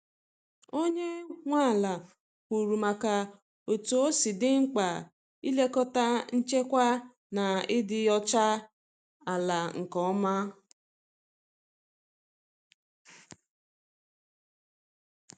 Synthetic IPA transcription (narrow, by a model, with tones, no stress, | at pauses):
o˦ɲe˦ŋʷa˦˨la˨ | pu˨ɾu˨ma˨ka˨ | o˨tu˨o˦si˨dɪ˦ŋ̩˦k͡pa˨ | i˦le˦kɔ˦ta˦n̩˦t͡ʃe˦kʷa˦ | na˨ɪ˦dɪ˨ɔ˦t͡ʃa˦ | a˨la˨ŋ̩˨kɔ˦ma˦